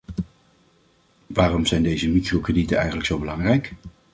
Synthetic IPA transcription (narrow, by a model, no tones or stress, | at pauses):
ʋaːrɔmzɛjndejzəmitrokrəditənɛ̰jχənləksowbəlɑŋrɛjk